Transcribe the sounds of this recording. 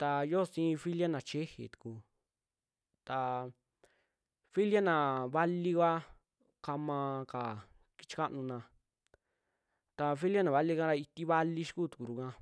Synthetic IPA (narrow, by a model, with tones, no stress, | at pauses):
t̪a˧jo˦˨sĩː˦˧fi˦lja˦nã˨t͡ʃe˦hḛ˨t̪u̥˨ku˧ | t̪a˧ | fi˦lja˦nã˨βa˦li˦kʷa˦ | ka˧mã˧ka˨ | ki̥˧t͡ʃi̥˧ka˦ʔnũ˧nã˧ | t̪a˧fi˦lja˦nã˨βa˦li˦kã˦ɾa˧i˧t̪i˦βa˦li˦ʃi̥˦ku˦˨t̪u̥˨ku˨ɾu˧˨kã˧